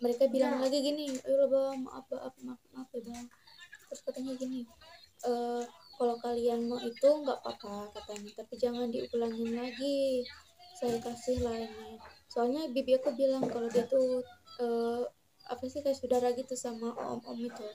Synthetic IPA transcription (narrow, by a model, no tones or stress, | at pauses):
məɾekabilaŋlaɡiɡinilabama̰ʔa̰paʔapmapmapaba | t̪ɾʊskat̪aɲaɡinɪʔəːkalowkalianmait̪uŋɡaʔpapakat̪aɲat̪apid͡ʒaŋandiukulaŋɪnlaɡi | sajakasɪhlahinisoalɲabibiakubilaŋkalodiat̪uə | a̰pasɪkajaʔsudahɾaɡit̪usamaʔɔ̰mʔɔ̰mit̪u